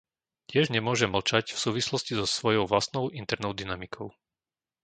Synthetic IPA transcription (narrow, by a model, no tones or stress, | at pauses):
cɪɛʒɲɛmʊɔʒɛml̩t͡ʃacfsuːʋislɔscizɔsʋɔjɔʊʋlast̪nɔʊʔint̪ɛɾnɔʊd̪inamikʰɔʊ